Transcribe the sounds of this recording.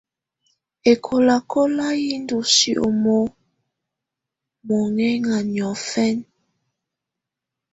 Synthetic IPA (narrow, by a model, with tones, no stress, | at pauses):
e˨kʰo˨la˨kʰo˦la˦ji˦n˦du˨si˦˨ʔo̰˨mo˦ | mo˨ŋɛ˦ŋa˨n˨ɔ˨fɛ˦n